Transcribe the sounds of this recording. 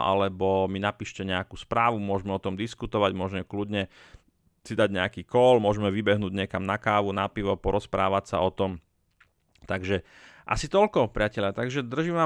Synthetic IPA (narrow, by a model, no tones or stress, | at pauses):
ʔa̰lɛbɔminapiːʃcɛɲɛakuːspɾaːʋumʊɔʒmɛɔt̪ɔmd̪iskut̪ɔʋaɟmʊɔʒɲɛklud̪ɲɛ | sid̪aɟɲɛakiːkɔlmʊɔʒmɛʋibɛɦnuːɟɲɛkamnakaːʋunapiʋɔpɔɾɔspɾa̰ːʋacsa̰ɔt̪ɔm | t̪aɡʒɛ | ʔa̰sit̪ɔlkɔpɾɪacɛʎɪat̪aɡʒɛd̪r̩ʒimʋa